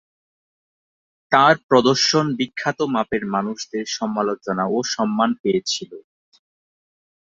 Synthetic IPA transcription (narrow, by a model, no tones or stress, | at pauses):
t̪aɾpɾɔd̪oɾʃonbikʰːat̪omapeɾmanuʃd̪eɾʃɔmalot͡ɕonaoʃɔmːanpejet͡ɕʰilo